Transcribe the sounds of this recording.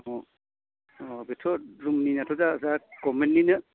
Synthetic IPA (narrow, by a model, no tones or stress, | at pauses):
ɔ | ɔbetʰɔɾumninatʰɔzazakɔmenːinɯ